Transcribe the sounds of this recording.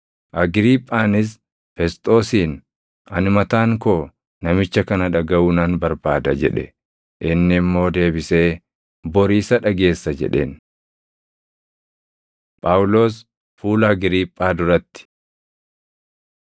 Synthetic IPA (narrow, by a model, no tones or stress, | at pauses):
ʔɐɡɾiːpʼːaːnɪs̬ | fɛst̪ʼo̞ːsiːn | ɐnmɐt̪aːŋkoː | nɐmɪt͡ʃːɐkɐnɐᶑɐɡɐʔʊnɐnbɐɾbaːd̪ɐd͡ʒɛ̰ᶑɛ̰ | ʔɪnːɪːmːo̞ːd̪e̞ːbɪse̞ː | bɔɾiːsɐᶑɐɡe̞ːsːɐd͡ʒɛ̰ᶑe̞̰ːn | pʼaʊlo̞ːs | fuːlɐɡɪɾiːpʼːaːd̪ʊɾɐt̪ːɪ̥